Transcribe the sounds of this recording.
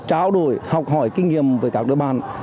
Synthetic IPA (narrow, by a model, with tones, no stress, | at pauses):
t͡ɕaː˧wɗo˧˩jhɔ˨˩wk͡p̚hɔ˧˩jkï˧ŋ̟ŋi˨˧˨əmvəː˨˧˩jkaː˦˥k̚ɗɨ̰˧˨əɓaː˧˨˩n